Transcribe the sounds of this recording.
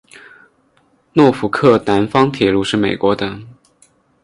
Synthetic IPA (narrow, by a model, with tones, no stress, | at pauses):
nwɔ˥˩fu˨˧˥kʰɤ˥˩na˧˥nfɑ˥ŋt̪ʰjɛ˧˥lu˧˥ʂɻ̩˥˩me˨˩ɪkwɔ˧˥d̪ə˧˩